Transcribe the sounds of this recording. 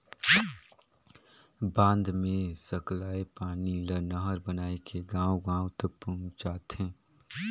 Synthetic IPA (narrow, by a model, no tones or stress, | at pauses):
bãːnd̪mẽsəklaːepaːnilənəɦəɾbənaːekʰeɡãːõɡãːõt̪ək̚put͡ʃaːt̪ẽː